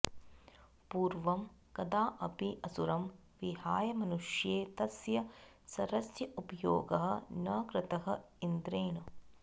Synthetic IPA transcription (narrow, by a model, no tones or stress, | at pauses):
puːɾʋɐm | kɐd̪aːʔɐpiʔɐsuɾɐm | ʋiɦaːjɐmɐnuʂjeːt̪ɐsjɐ | sɐɾɐsjɐʔupɐjo̰ːɡɐɦɐ̆nɐkɾɪt̪ɐɦɐ | ind̪ɾeːnu